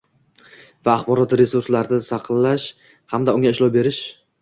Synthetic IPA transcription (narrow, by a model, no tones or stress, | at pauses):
vaːχbɒɾɒt̪ɾe̞suɾslaɾnɪsɑqʰɨlːaʃ | hamd̪aʊŋʲaɪʃlɒwbe̞ɾɪʃ